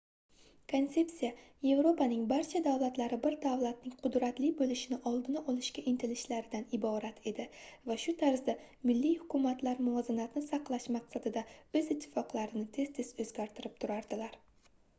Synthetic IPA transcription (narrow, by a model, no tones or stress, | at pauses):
kʰont̪se̞psijaje̞vɾo̞pʰanɪŋbaɾt͡ʃʰad̪avlat̪laɾɪbɪɾd̪avlˠat̪̚nɪŋqʰʊd̪ɾat̪lɪbolɪʃɪnɪʔɒlˠd̪ɪnaɒlˠɪʃkʲaʔɪnt̪ʰɪlɪʃlaɾɪd̪anɪbɒɾat̪ʰe̞d̪ɪvaʃʊt̪ʰaɾzd̪a | mɪlːijhʊkʰʲʊmat̪ʰlaɾmʊɒzɪnat̪nɪsɑqlˠaʃmɑqsad̪ɪd̪aɵzɪt̪ʰːɪ̥fɒqlˠaɾɪnɪt̪ʰe̞z̥t̪ʰe̞z̥ɵzɡʲaɾt̪ʰɪɾɪp̚t̪ʰʊɾaɾd̪ɪlaɾ